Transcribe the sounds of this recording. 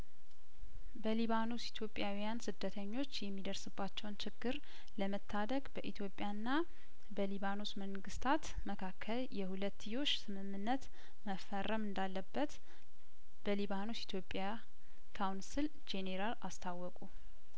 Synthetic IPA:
bəliβanosit̪ʰjo̞pʼjawijansɨd̪ːət̪ʰəɲːo̞t͡ʃːjɛmːid̪əɾsɨbːat͡ʃːɛwnt͡ʃʰɪɡːɨɾ | ləmət̪ʰːad̪əɡbəʔit̪ʰjo̞pʼːjanːa | bəliβanosməŋɡɨst̪ʰat̪ | məkʰakʰːəljɛhulət̪ːɨjo̞t͡ʃːsɨmɨmːɨnːət̪ | məfərːəmɨnd̪alːəbːət̪ | b̥əliβanosit̪ʰjo̞pʼːja | kʰawnsɨl | d͡ʒe̞neɾalast̪ʰawːɔkʼu

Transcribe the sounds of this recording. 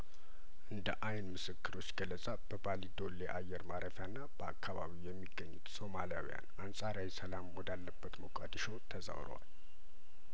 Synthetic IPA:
ʔɨnd̪əʔajnmɨsɨkʰːɨɾo̞t͡ʃːɡ̥ələsʼab̥əbalid̪o̞leʔajːɛɾmaɾʔəfjanːab̥əa̰kʰːaβa̰βijɛmːiɡːəɲːut̪so̞malija̰wḭja̰nansʼaɾjawisəlamwɔd̪alːəbːət̪məkʼa̰d̪ʃowt̪ʰəza̰wɾə̰wa̰l

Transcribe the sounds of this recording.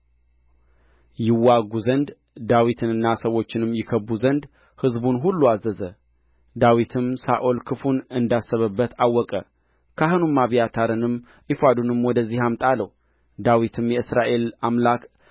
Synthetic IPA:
jɪwːaɡuzənd̪ | d̪awit̪ʰɨnɨnːasəwo̞t͡ʃːɪnɨmːjɪkʰəbːuzənd̪ | hɨzbunɦulːuazːəzə | d̪awit̪ʰɨmsaʔolkʰɨfunɨnd̪asːəβəbːət̪ʰawːɔkʼə | kʰaɦɨnumːaβijat̪ʰaɾɨnɨm | ʔifad̪unɨmwɔd̪əzːihamt̪ʼaləw | d̪awit̪ʰɨmjɛɨsɾaʔe̞lamlak

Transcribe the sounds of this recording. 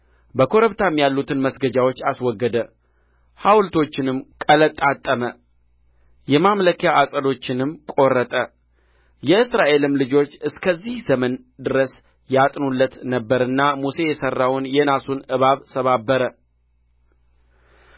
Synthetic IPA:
bəkʰo̞ɾəβt̪ʰamːjalːut̪ʰɨnməsɡəd͡ʒawot͡ʃːaswɔɡːəd̪ə | hawlt̪ʰo̞t͡ʃːɪnɨmkʼələt̪ʼːat̪ʼːəmə | jɛmamləkjaʔasʼəd̪o̞t͡ʃːɪnɨmkʼo̞rːət̪ʼə | jɛɨsɾaʔe̞lɨmlɨd͡ʒo̞t͡ʃːɨskʰəzːihzəmən | d̪ɨɾəs | jat̪ʼnulːət̪nəbːəɾɨnːamuse̞jɛsərːawnjɛnasunɨβaβsəβabːəɾə

